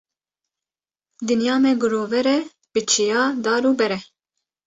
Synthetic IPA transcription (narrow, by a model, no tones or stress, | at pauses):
d̪ɨnjɑːmɛɡʊɾoːvɛɾɛ | b̥ɨt͡ʃʰijɑːd̪ɑːɾuːbɛɾɛ